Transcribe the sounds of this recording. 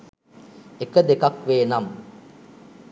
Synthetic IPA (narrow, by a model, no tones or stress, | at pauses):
ekəd̪ekakʋeːnam